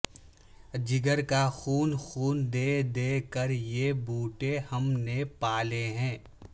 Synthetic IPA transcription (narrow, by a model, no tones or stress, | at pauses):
d͡ʒɪɡəɾkaxuːnxuːnd̪eːd̪eːkəɾjebuːʈehɐmnepaːleɦɛ̃ː